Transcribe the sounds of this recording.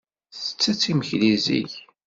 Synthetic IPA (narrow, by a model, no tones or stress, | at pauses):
θə̥t͡sːæt͡sːiməçlizḭç